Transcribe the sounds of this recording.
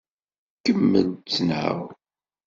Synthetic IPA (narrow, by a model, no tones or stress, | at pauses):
kəmːə̰nt͡sːənʕə̰w